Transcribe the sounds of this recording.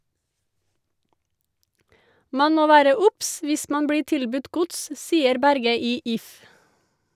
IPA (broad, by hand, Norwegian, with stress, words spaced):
ˈmɑn ˈmoː ˈʋæːɾə ˈʊps ˈʋɪs ˈmɑn ˈbɽiː ˈtɪlbʉt ˈɡʊts ˈsiːəɾ ˈbæɾɡə ˈiː ˈɪf